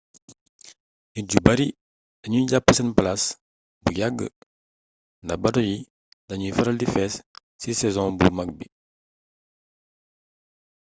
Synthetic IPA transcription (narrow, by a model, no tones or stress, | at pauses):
niɟubɐɾi | dɐɲuɟapːəsɛnplas | bujaɡːə̰ | ndɐbɐdɔji | dɐɲufɛɾɐldifɛːsː | isɛzɔ̃bṵmɐk̚bi